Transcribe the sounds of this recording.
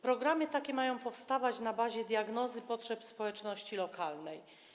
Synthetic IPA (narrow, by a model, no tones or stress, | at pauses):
pɾɔɡɾamɘt̪akʲɛmajɔ̃w̃pɔfst̪avat͡ɕnabaʑɛd̪ʲjaɡnɔzɘpɔtʂɛpspɔwɛt͡ʂnɔɕt͡ɕilɔkʰalnɛj